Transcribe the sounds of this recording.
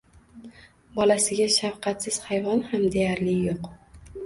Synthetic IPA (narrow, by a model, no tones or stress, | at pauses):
bɒlasɪɡʲaʃafqʰɑt̪sɪz̥hajvɒnhamd̪ejaɾlɪjoq